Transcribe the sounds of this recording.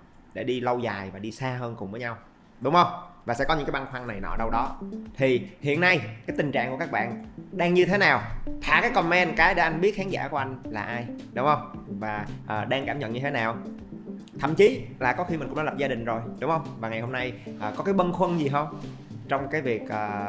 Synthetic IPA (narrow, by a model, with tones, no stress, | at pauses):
ɗḛ˧˩ɗi˧lə˧wzaː˨˩jvaː˨˩ɗi˧saː˧ɦəː˧nkʊ˨˩ŋ͡mvəː˨˦jɲa˧w | ɗʊ˨˦ŋ͡mhə˧wŋ͡mvaː˨˩sɛ̰˧˥kɔ˦ɲɨ˧˥ŋkːa˨˦jɓa˧nxwa˧ŋna˨˩jnɔ̰˧˩˨ɗə˧wɗɔ˨˦t̪ʰi˨˩hḭ˧˨ənːa˧jkaː˨˦jt̪ï˨˩ŋ̟t͡ɕa̰ː˧˨ŋku˧˩əkaː˦˥k̚ɓa̰ː˧˨nɗaː˧ŋɲɨ˧t̪ʰe˨˦naː˨˩wt̪ʰa̰ː˧˨kaː˨˦jkɔ˧˩mɛ˧nkaː˨˦jɗe˧˩ʔa˧jŋɓi˦˥ət̚xaː˨˦ŋza̰ː˧˩ku˧˩əʔa˧ŋ̟laː˨˩ʔaː˧jɗʊ˨˦ŋ͡mhə˧wŋ͡mvaː˨˩ʔəː˨˩ɗaː˧ŋkaː˧˩mɲə̰˧˨nɲɨ˧t̪ʰe˨˦naː˨˩w | t̪ʰə̰˧˨mt͡ɕi˨˦laː˨˩kɔ˨˦xi˧mï˨˩ŋkʊ˧˥ŋ͡mnɔ˨˦lp̚zaː˧ɗï˨˩ŋ̟zo˨˩jɗʊ˨˦ŋ͡mhə˧wŋ͡mvaː˨˩ŋa˨˩jho˧mna˧jʔəː˨˩kɔ˨˦kaː˨˦jɓə˧nxwə˧nzi˨˩ɦə˧wŋ͡m | t͡ɕɔ˧wŋ͡mkaː˨˦jvi˨˩ək̚ʔəː˨˩